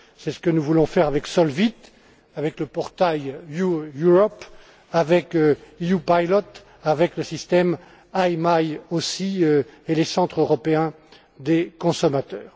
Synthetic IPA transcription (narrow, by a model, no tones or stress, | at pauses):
sɛsə̥kənuvulɔ̃fɛʁavɛksɔlvit̪ | avɛkləpɔʁt̪ajjujuʁɔp | avɛkøiupajlɔt̪ | avɛkləsist̪ɛm | ajmajosiøelesɑ̃t̪χøʁɔpeɛ̃ | d̪ekɔ̃sɔmat̪œːʁ